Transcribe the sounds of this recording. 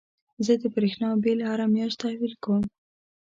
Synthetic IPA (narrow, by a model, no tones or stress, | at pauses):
zəd̪əbɾexnɑbelhaɾamjɑʃt̪t̪ahwilkəwəm